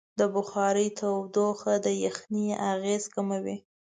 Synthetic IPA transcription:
d̪əbʊxɑɾəjt̪ʰawd̪oxad̪əjaxniaɣezkamawi

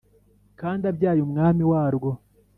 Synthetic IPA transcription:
kaːndabjaːjumŋaːmiwaːɾɡo

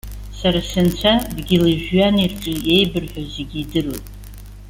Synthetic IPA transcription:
saɾasɨnt͡sʷʰadɡʲilɨʒᶣɥanirʈ͡ʂʼɨje̞jbɨrħʷᶣazeɡʲidɨrotʼ

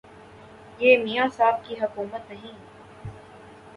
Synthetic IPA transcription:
jeːmiːjãːsaːb̚kiɦɐkuːmət̪nəɦĩ

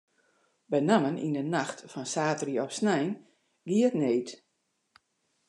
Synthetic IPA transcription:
bɛnamənʔḭndənaxtfɔnsaːtriɔpsnɛjn | ɡiətneːt

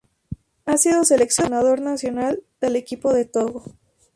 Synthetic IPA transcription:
asiðo̞se̞le̞ksjo̞nað̞o̞ɾnasjo̞nald̪̥e̞le̞kipo̞ðe̞t̪oɣo

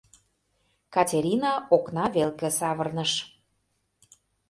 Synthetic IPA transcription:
kɑtʲeɾʲinɑoknɑβelkĕsɑβərnə̆ʃ

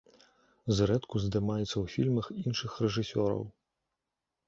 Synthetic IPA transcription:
zɾɛt̪kuzd̪ɨmajɛt̪sːɐwfʲilʲmɐxinʂɨxrɛʐɨsʲɔɾɐ̰w

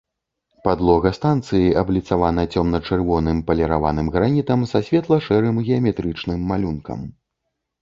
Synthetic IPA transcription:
pad̪lˠɔɣɐst̪ant̪sɨjiʔɐblʲit̪savanɐt͡sʲɔmnɐt͡ʂɨrvɔnɨmpɐlʲɛɾava̰nɨmɣɾanʲit̪ɐmsasʲvʲɛt̪lˠɐʂɛɾɨmɣʲɛɐmʲɛt̪ɾɨt͡ʂnɨmːalʲunkɐ̰m

